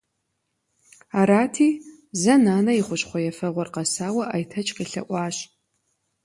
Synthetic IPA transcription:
aːɾaːtʰiː | zɐnaːnɐjiχʷʊɕχʷɔjɛfɐʁʷɔrqɐsaːwɐʔaːjtʰɐt͡ʃʼqiɬɐ̰ʔʷʼɑːɕ

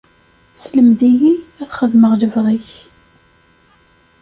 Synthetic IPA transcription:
sləmðijiæθχəðməʁləvʁiç

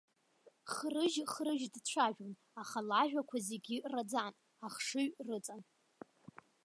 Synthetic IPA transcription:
χrɨʒχrɨʒdt͡ɕʷʰaʒᶣon | aχalaʒᶣʷakʷʰazeɡʲirad͡zan | aχʂɨɥrɨt͡sʼan

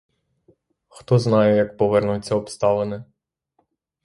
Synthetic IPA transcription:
xt̪ɔznɑjɛjɐk̚pɔʋɛrnujt͡sʲːɐɔpst̪ɑlˠenɪ

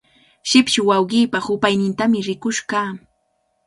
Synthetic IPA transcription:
ʃɪpʃɪwawɢiːpahʊpajnɪnt̪amɪɾɪkʊʃkaː

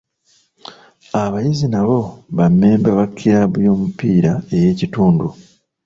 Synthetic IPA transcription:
aβajizinaβo̞βamːe̞ːmbaβakʰːiɾaβujo̞ːmupiːɾae̞je̞ːcituːndu

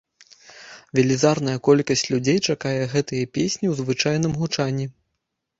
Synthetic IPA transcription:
vʲɛlʲizarnɐjɐkɔlʲkɐsʲt͡sʲlʲud͡zʲejt͡ʂakajɛɣɛt̪ɨjɐpʲesʲnʲiwzvɨt͡ʂajnɨmɣut͡ʂanʲːi

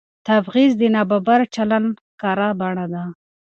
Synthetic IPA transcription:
t̪afɣizd̪ənɑbabaɾt͡ʃalan | kɑɾabaɳad̪a

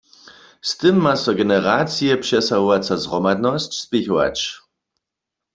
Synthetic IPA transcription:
st̪ɨmːasɔɡɛnɛɾat͡sijɛpʂɛsaɦuvat͡sazʁɔmad̪nɔst͡ɕspɪçuwa̰t͡ʃ

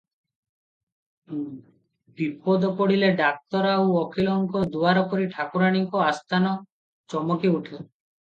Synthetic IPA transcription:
bipɔd̪ɔpɔɽileɖak̚t̪ɔɾawɔkʰilɔŋkɔd̪uaɾɔkɔɾiʈʰakuɾaɽ̃iŋkɔast̪ʰanɔ | t͡ʃɔmɔkiuʈʰe

